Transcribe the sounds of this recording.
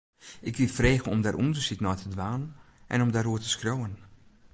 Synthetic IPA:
ʔɪkʋifreːɣənɔmdarʔundəsitnɔjtədʋaːnənʔɛ̰nɔmdaɾuərtə̥skroːən

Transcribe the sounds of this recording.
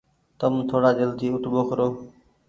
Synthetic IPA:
t̪əmt̪ʰoːɽaːd͡ʒelt̪ʰiːʊt̪ɓoːkʰəɾoː

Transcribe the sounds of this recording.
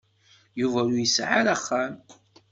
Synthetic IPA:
juvælujəsʕa̰ɾaχːam

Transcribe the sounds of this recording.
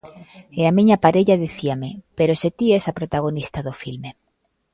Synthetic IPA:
eamĩɲapaɾeʎaðeθiamepeɾoset̪iesapɾot̪aɣ̞onist̪aðofilme

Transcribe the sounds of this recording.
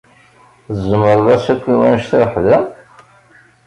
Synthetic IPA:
əzəməɾˤðæsækʷːiwænʃθɾħðæ

